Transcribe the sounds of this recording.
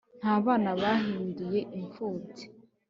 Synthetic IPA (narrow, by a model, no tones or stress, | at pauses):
n̥haβaːnaβaɦimiɾijeʔiɱfutʰi̥